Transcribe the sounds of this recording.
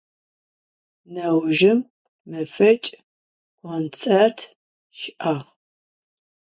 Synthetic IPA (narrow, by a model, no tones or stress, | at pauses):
nɐwʒɪmː | ɨfɐt͡ʃʼ | qʷɔnt͡sʼɐrtʰ | ʃɪʔaːʁ